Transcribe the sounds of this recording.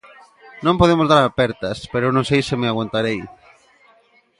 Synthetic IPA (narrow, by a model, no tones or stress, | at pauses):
nõmpoð̞emozðaɾapɛɾt̪ɐspeɾoenõŋsejsɪmɪaɣwant̪aɾej